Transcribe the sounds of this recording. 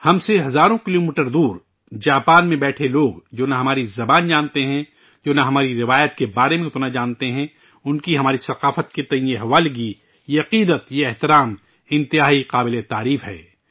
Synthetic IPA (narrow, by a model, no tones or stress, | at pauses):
hɐmseɦɐzaːɾõkɪloːmiːʈəɾd̪uːɾ | d͡ʒaːpaːnmẽbɛːʈʰeloːɡd͡ʒoːnaɦɐmaːɾizɐbaːnd͡ʒaːnt̪eɦɛ̃ | d͡ʒoːnaɦɐmaːɾiɾɪʋaːjət̪kebaːɾemẽt̪onad͡ʒaːnt̪eɦɛ̃ | ʊnkiɦɐmaːɾisɐqaːfət̪ket̪ɐɦĩeɦɐʋaːlɡi | jeɐqiːd̪ət̪jeɛɦt̪ɪɾaːm | ɪ̃nt̪ɪɦaːiqaːbɪlet̪aːɾiːfɦɛ̰ː